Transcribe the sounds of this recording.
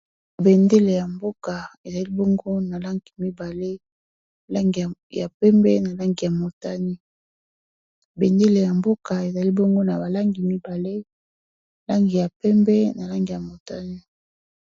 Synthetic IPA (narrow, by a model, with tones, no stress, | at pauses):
be˨nde˦le˨ja˨mbo˦ka˨e˨za˨li˦bo˦ŋɡo˦na˨la˦ŋɡi˨mi˦ba˨le˦ | la˦ŋɡi˨ja˨pɛ˦mbɛ˦na˨la˦ŋɡi˨ja˨mo˨ta˦ni˦ | be˨nde˦le˨ja˨mbo˦ka˨e˨za˨li˦bo˦ŋɡo˦na˨ba˨la˦ŋɡi˨mi˦ba˨le˦ | la˦ŋɡi˨ja˨pɛ˦mbɛ˦na˨la˦ŋɡi˨ja˨mo˨ta˦ni˦